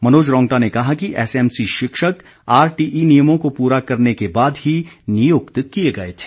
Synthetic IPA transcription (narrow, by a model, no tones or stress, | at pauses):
mɐnoːd͡ʒɾɔ̃ːŋɡʈanekɐɦakiʔɛːsɛːmsiʃɪkʃək | aːɾʈiːʔinijəmõkopuːɾakɐɾnekebaːd̪ɦinijoːkt̪kijeɡɐet̪ʰe̥